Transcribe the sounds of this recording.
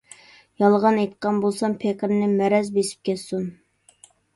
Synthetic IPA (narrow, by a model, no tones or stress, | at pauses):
jɑlˠʁɑnejt̪qɑnbolˠsɑmpʰekʲɾnɪmɛɾɛzbesɪ̥p̚kʲɛt̪sun